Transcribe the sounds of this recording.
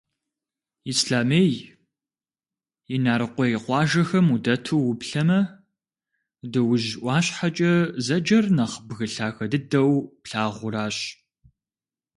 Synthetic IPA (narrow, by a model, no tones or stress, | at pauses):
isɬaːmeːj | ɪnaːɾɨqʷɔjɪqʷɑːʒɐxɐmudɐtʰuwʊpɬɐmɐ | dɨwʊʒʔʷɑːɕħat͡ʃʼɐzɐd͡ʒɐrnɐχbɣɨɬaːxɐdɨdɐwpɬaːʁʷʊɾaːɕ